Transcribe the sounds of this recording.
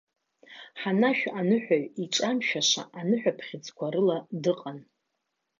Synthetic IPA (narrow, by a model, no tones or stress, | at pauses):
ħanaʃᶣanɨħᶣʷaɥiʈ͡ʂʼamʃᶣaʂa̰ʔanɨħʷᶣapʰχʲɪd͡zkʷʰaɾɨladɨqʼan